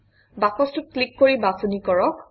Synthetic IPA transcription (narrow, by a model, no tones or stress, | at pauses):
bakɔstʊt̚klikːoɹibasɔnikɔɹɔk̚